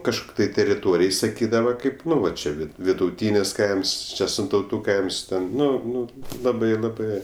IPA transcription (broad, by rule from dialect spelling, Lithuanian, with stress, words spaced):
kɐʃˈkʊkʲ tɐɪ tʲɛrʲɪˈtoːrʲɪj sɐˈkʲiːdɐʋɐ ˈkɐɪp ˈnʊ ʋɐ t͡ʃʲɛ ˈʋʲɪt ʋʲɪdʊˈtʲiːnʲɪs ˈkɐɪms ˈt͡ʃʲɛ sʲɪntɐʊˈtuː ˈkɐɪms ˈtʲɛn ˈnʊ ˈnʊ ˈlˠɑːbɐɪ lˠɐˈbɜ